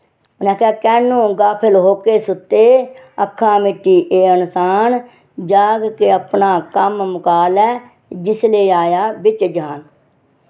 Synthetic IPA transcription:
ʊnaːkʰaːkɛːnũːɡaːpʰəlɦoːkeːsʊt̪ːeːəkʰːãːmɪʈːiːʔeːənsaːn | d͡ʒaːɡkeəpnaːkəmmʊkaːlɛː | d͡ʒɪsleːaːjaːbɪt͡ʃd͡ʒaːn

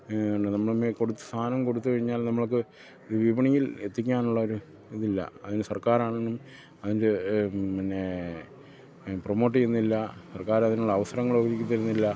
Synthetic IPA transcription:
oɳɖɨnɐmːɐɭumːeko̞ɽut̪ːɨ̥st̪ʰaːnɐmko̞ɽut̪ːukɐɻiɲːaːlnɐmːɐɭk̬ːɨ | iðɨʋibɐɳijile̞t̪ːik̬ʲːaːnuɭːɐoɾu | iðilːɐ̰ɐðinɨsɐrkaːɾaːɳenːum | ɐðindepɐnːe̞ | promo̞ːʈːijenːilːɐsɐrkaːɾɐðinuɭːɐːʋɐsɐɾɐŋːɐɭobiɾikʲːut̪ːɐɾunːilːɐ

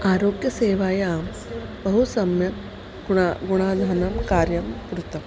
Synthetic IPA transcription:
aːɾoːɡjɐseːʋaːjaːm | bɐɦusɐmjɐ | ɡaɡuɽ̃aːd̪ʱanɐmkaːɾjɐmkɾut̪ɐm

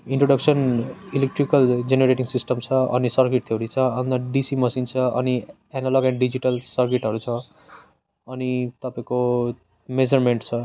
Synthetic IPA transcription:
iɳʈroɖʌksʌnilek̚ʈrikʌld͡zeneɾeʈiŋsisʈʌmt͡sʰʌʌ̰nisʌrkiʈ̚t̪ʰeɾit͡sʰʌʌnt̪ʌɖisimʌsint͡sʰʌʌ̰ni | ɛnaloɡɛɳɖɖid͡ziʈʌlsʌrkiʈɦʌɾut͡sʰʌ̃ | ʌnit̪ʌpaĩko | med͡zʌrmeɳʈt͡sʰʌ

